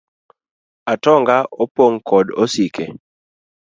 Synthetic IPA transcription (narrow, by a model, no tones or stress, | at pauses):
atɔŋɡaʔopoŋkʰɔdosikʰe